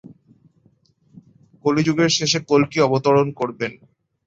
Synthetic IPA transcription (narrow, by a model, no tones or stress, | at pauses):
kolid͡ʑuɡeɾʃeʃekolkiɔbot̪oɾonkoɾben